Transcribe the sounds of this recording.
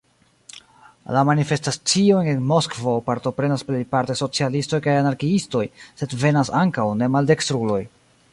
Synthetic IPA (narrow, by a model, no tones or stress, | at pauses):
lamanife̞stat͡siojnenmo̞skvo̞paɾto̞pɾe̞nasplejpaɾteso̞t͡sialisto̞jkajanaɾkiisto̞jse̞dve̞nasaŋkawne̞malde̞kstɾulo̞j